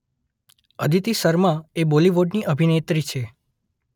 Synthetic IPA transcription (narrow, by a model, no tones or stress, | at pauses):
əd̪ʱit̪isəɾmãeboliʋoɖniʔəbʱinet̪ɾit͡ʃʰe